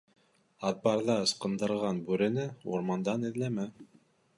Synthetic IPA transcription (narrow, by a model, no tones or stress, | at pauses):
ɑt̪̚bɑɾðɑɤ̆sqɤ̆nd̪ɤ̆ɾʁɑnbʉɾɘ̆nɘṵɾmɑnd̪ɑnɘ̆ðlæmæ